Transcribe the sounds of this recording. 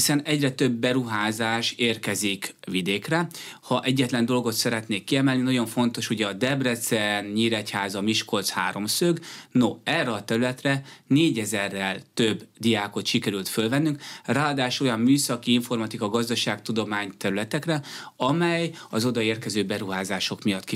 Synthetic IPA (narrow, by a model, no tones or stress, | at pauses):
hisɛnɛɟrɛt̪ø̞bːɛɾuɦaːzaːʃeːrkɛzik | vid̪eːkrɛhɒʔɛɟːɛt̪lɛnd̪o̞lɡo̞t̪sɛɾɛt̪neːkːiɛmɛlninɒɟo̞ɱfo̞nt̪o̞ʃuɟɛɒd̪ɛbrɛt̪sɛnɲiːɾɛchaːzɒmiʃko̞lt̪sha̰ːɾo̞msøɡno̞ɛrːɛɒt̪ɛɾylɛt̪rɛneːɟɛzɛrːɛlt̪øbːd̪ijaːko̞t̪ʃikɛɾylt̪følvɛnːyŋkraːɒd̪aːʃo̞jɒmːyːsɒkiiɱfo̞rmɒt̪ikɒɡɒzd̪ɒʃaːkt̪ud̪o̞maːɲt̪ɛɾylɛt̪ɛkrɛɒmɛjɒzo̞d̪ɒeːrkɛzøːbɛɾuɦaːzaːʃo̞kmijɒt̪ki